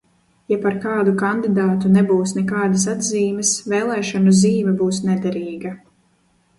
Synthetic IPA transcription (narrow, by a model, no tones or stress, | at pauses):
japaɾkɑːd̪ukand̪id̪aːt̪unɛbuːsnɛkaːd̪as̬ad̪ziːmɛsveːlˠɛːʃanuziːvʲɛbuːsnɛd̪ɛɾiːɡɐ